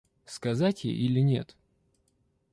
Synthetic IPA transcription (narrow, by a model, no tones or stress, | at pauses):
skɐzatʲjḛʔilʲɪnʲe̞̰t̪